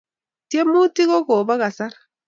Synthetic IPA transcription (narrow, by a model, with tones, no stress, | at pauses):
te˦mu˦ti˦ɣo˦ko˨ba˦ɣa˨sa˦ɾ